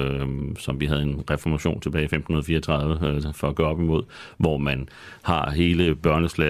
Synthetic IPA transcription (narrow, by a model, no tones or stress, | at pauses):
sɒ̽mʋiɦæð̞ˠe̝nʁɛfɒmæɕo̝̰ːnt͡sʰe̝bɛːɪfemd̥hunɐðˠfiːɐɒt͡sʰʁɑ̈ð̞ˠʋəfɒ̽æɡ̥œ̰ːɒ̽b̥imo̝ð̰ˠʋɒmæn | hɑ̈ɦe̝ːləb̥ɶɐnəslɛ